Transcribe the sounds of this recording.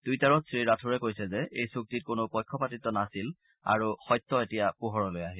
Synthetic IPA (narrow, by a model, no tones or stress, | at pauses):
d̥ujtaɹɔtsɹiɹatʰuɹɛkojsɛzɛʔejsuk̚tit̚konʊpɔjkʰːɔpatitːɔnasil | a̰ɹuxɔjt̪ːɔetijapuɦɔɹɔlojaɦil